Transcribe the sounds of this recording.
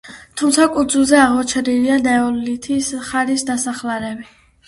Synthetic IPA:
t̪ʰumt̪sʰakʼud̪zulˠzɛaʁmɔt͡ʃʰɛɾiliand̪ɛɔlit̪ʰisχaɾisd̪asaχlaɾɛbi

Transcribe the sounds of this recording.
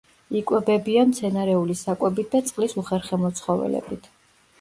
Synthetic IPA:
ikʼwɛbɛbiamt̪sʰɛnaɾɛulisakʼwɛbit̪̚d̪at̪sʼqʼlisuχɛɾχɛmɔt̪sʰχɔvɛ̰lɛ̰bit̪ʰ

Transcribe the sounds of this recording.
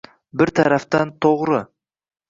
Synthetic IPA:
bɪɾt̪ʰaɾaft̪ant̪ʰoʁɾə

